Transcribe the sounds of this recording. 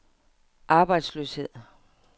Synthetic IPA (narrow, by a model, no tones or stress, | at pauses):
ʔɑ̈ːb̥ɑ̈ɪd̥slø̰ːshe̝ð̰ˠ